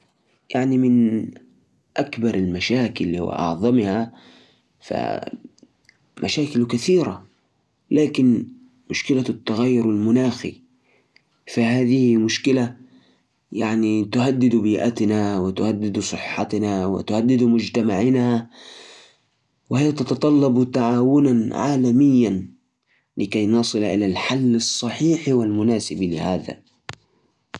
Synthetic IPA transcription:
jaʕnimɪn | ʔakbɑɾˤalmaʃaːkɪlːhṵwa̰ʔɑ̰ʕðˤɑmha | fa̰ | mʔa̰ʃaːkɪlkaθiːɾa̰ | laːkɪn | mʊʃkɪlat̪ːaɣajːʊɾwalmʊnaːxḭ | fahaːðɪhimʊʃkɪla | jaʕnit̪ʊhad̪ːɪd̪biːʔa̰t̪nawɪt̪ʊhad̪ːɪd̪sˤɨħːɑ̰t̪nawɪ̰t̪ʊhad̪ːɪd̪mʊd͡ʒt̪amaʕɪnha | wɪhɪjːat̪ɑt̪ɑt̪ˤɑlːɑbt̪aʕaːwʊnanʕa̰ːlamɪjːan | lɪkajnɑsˤɨlʔɪ̰lalħalːɨsˤːɑħiːħiwɪlmʊnaːsɪblɪ̰haːða̰

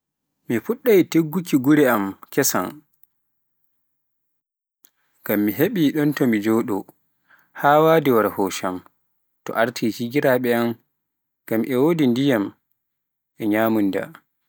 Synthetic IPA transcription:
mifuɗːajteɡːukiɡuɾɛamkɛsa̰n | ɡ̥amːiɦeɓiɗɔntɔmid͡ʒoɗɔ̰ | haːwadɛwaɾhɔʃam | tɔ̰ʔaɾtʰihiɡiɾaɓɛam | ɡ̥amʔɛwodindijam | ʔɛɲaːmunda̰

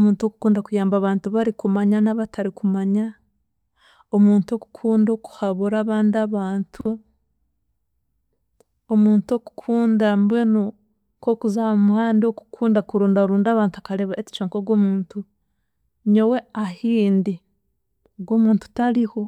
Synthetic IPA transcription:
omuːntuo̞ku̥kuːndakujaːmbaːβaːntuβaɾikumaɲanaβatʰaɾikumaɲa | omuːntuo̞ku̥kʰuːndoku̥haβuɾaːβaːndiaβaːntʰu | omuːnto̞ku̥kʰuːndambweno | ko̞kuzaomuhaːndio̞ku̥kʰuːndakuɾuːndaɾuːndaːβaːntuakaɾeβaeci̥t͡ʃoːŋkoɡwoːmuːntu | ɲowe̞ahiːndi | oɡwo̞ːmuːntu̥taɾiho̞

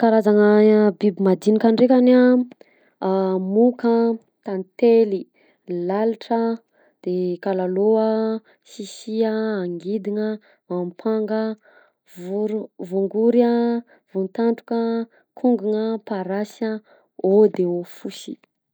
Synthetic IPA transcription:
kaɾazaŋəbibimad̪inikaɳɖ͡ʐekʲana | muka | t̪ant̪eli | laliʈ͡ʂə | d̪̥ekalaloa | sisiaːŋɡid̪iŋə | mampʰaŋɡə | vuɾvuŋɡuɾa | v̥unt̪aɳʈ͡ʂu̥kə | kʰuŋɡuŋəpaɾasa | od̪eofusi̥̰

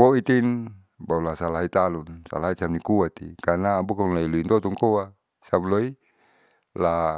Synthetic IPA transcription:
poit̪in | baulasalaɦit̪alunsa̰laɦisamnikuat̪ḭkanaːbukɔŋlailuint̪ɔt̪ɔŋkoa | samloi | la

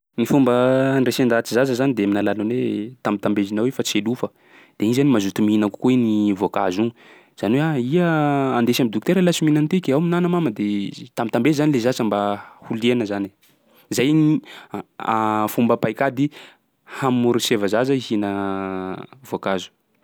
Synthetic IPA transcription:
nifumbənresend̪at͡sizazəzanid̪eaminalalunwḛt̪ambit̪ambezinawefat͡selufə | d̪̥einizanimazut̪uminaku̥kuenivoka̰zuŋu | z̥aniweaiəand̪esamid̪uk̚t̪eɾalasiminant̪ekʲeawminanəmaməd̪et̪ambit̪ambezizanilezat͡səmbahuleanəzane | zaji | afumbəpajkad̪i | hammuɾisevəzazəihinə | vokazu̥

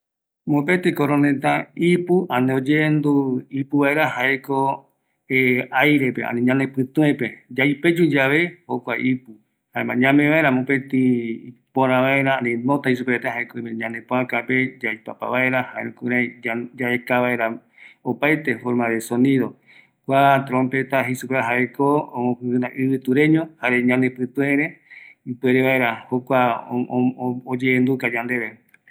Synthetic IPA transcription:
mopet̪ikoɾõnet̪ãipuʔãnĩod͡ʒend̪uipuβaeɾahaeko | eajɾe̞pḛʔa̰nĩɲãnẽpɨ̃t̪ũẽped͡ʒajped͡ʒud͡ʒaβehokʷa̰ʔipu | haemã̰ɲãmẽβaeɾamõpet̪ĩpoɾãβaeɾaanĩnõt̪ais̬upeet̪eɦaekoeɲãnd̪ẽpõãkaped͡ʒajpapa̰βaeɾahaḛkuɾajd͡ʒaekaβaeɾa | opajt̪e̞foɾmaðesonĩðo̞ | kʷat̪ɾõmpe̞t̪aɦisupeaɦaekooõkɨɨnã̰ʔɨβɨt̪uɾẽɲõhaɾeɲãnepɨt̪uẽɾeipweɾeβaeɾahokʷa | od͡ʒeːnd̪ukad͡ʒãnd̪e̞ɾe

